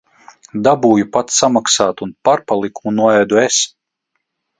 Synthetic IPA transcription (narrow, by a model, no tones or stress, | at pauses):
d̪abuːjupat̪samaksaːt̪unpaɾpalˠikunuɔɛjd̪ues